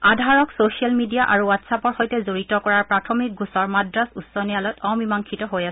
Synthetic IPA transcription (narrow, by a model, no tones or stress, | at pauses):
adʱaɹɔksosialmidiaʔaɹuwatsapɔɹxojtɛzoɹitɔkɔɹaɹpɹatʰɔmik̚ɡusɔɹmadɹasusɔnijalɔjtɔmimaŋkʰitɔɦojasɛ